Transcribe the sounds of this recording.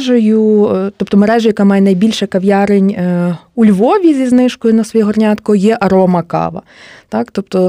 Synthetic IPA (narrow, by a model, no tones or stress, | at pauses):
ʒɔjʊt̪ɔpt̪ɔmeɾɛʒojɐkamɑjɛnɐjbʲilʲʃɛkɐʋʲjɑɾɪnʲulʲʋɔʋʲizʲiznɪʃkɔjʊnɐsʋɔjɛɦɔrnʲɑt̪kɔjɛʔɐɾɔmɐkɑ̰ʋɐ̰t̪ɑkt̪ɔp̚t̪ɔ